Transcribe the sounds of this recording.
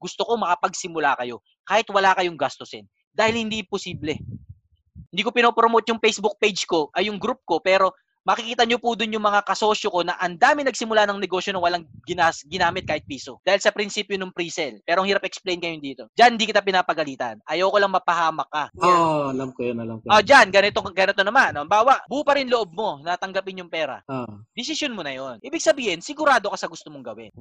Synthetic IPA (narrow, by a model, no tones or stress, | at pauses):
ɡʊst̪oko̞mɐkɐpɐɡsɪmʊlakɐjo̞ | kaːhɪt̪wɐlaːkɐjoŋɡast̪osɛn | d̪aːhɪlhɪnd̪iʔɪmposiːblɛ | hɪnd̪iːkopɪnopɾomot̪̚jʊŋpejsbuk̚pejd͡ʒko̞ʔɐjːʊŋɡɾup̚ko̞pɛːɾo̞ | mɐkɪkiːt̪ɐɲopʊd̪ʊnjʊŋmɐŋakɐso̞ːʃjoko̞nɐʔɐnd̪aːmɪŋnɐɡ̚sɪmʊlanɐŋnɛɡo̞sjonɐwɐlaŋɡɪnasɡɪnaːmɪt̪̚kaːhɪt̪̚piːsod̪aːhɪlsɐpɾɪnsiːpjonʊŋpɾiːsɛlpɛːɾoŋhɪɾapʔɛksplɛjnkɐjʊnd̪iːt̪o̞d͡ʒɐnhɪnd̪iːkɪt̪apɪnaːpɐɡɐliːt̪ɐ̰nʔɐjɐwkolɐŋmɐpɐhaːmɐk̚ːaʔoɐlamkojonɐlamkood͡ʒanɡɐnɪt̪oŋɡɐnɪt̪onɐmanːombaːwɐʔbupɐɾɪnloʔo̞b̚mo̞nɐt̪ɐŋɡɐpɪnjʊŋpɛːɾɐ̰ʔod̪ɪsɪsjonmonɐjo̞nʔiːbɪɡ̚sɐbiːhɪnsɪɡʊɾaːd̪o̞kɐsɐɡʊst̪omoŋɡɐwɪ̰n